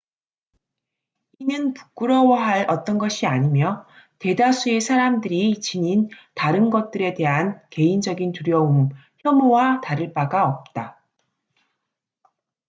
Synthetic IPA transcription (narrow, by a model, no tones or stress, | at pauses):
inɯnpu̥kk͈ɯɾʌwʌɦaɾʔʌt͈ʌnɡʌɕʰiaɲimjʌ | te̞dasʰue̞sʰaɾamdɯɾit͡ɕiɲintaɾɯnɡʌt̚t͈ɯɾe̞de̞ɦanke̞ind͡ʑʌɡintuɾjʌum | çjʌmowataɾɯɭp͈aɡaʌp̚t͈a